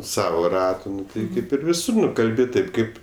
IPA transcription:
ˈsɑːʋoː ˈrɑːtʊ ˈnʊ tɐɪ ˈkɐɪp ɪr ʋʲɪˈsʊr nʊ ˈkɐlʲbʲɪ ˈtɐɪp ˈkɐɪp

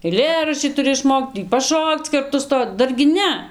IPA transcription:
ɛɪˈlʲeːrɐʃʲt͡ʃʲiː tʊˈrʲɪ ɪʃˈmoːkt tʲiː pɐˈʃoːkt͡s ˈkɐrtʊ ˈstoː ˈdɐrʲɡʲɪ ˈnʲɛ

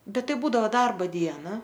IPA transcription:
ˈbʲɛt ˈtɐɪ ˈbuːdɐʋoː ˈdɐrboː ˈdʲiɛnɐ

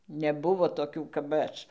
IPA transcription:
nʲɛˈbʊʋoː toːˈkʲuː kɐp ˈɐʃ

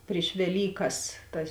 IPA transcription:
pʲrʲɪʃ ʋʲɛˈlʲiːkɐs ˈtɐs

